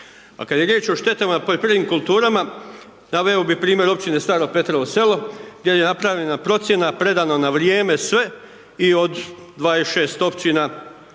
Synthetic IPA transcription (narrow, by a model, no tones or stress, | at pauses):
a̰kad̪je̞ɾjeːt͡ʃo̞ʃt̪e̞t̪amapolʲpɾeʋiːmkulˠt̪uːɾama | naʋeobipɾiːmjeɾo̞pt͡ʃine̞st̪aːɾoɡ̚pe̞t̪ɾoose̞lo̞ɡd̪ʲje̞je̞napɾaʋʎenapɾo̞t̪sje̞napɾe̞d̪aːnonaʋɾijeːme̞sʋe̞ | io̞d̪ | d̪ʋaːesʃe̞ːst̪o̞pt͡ʃina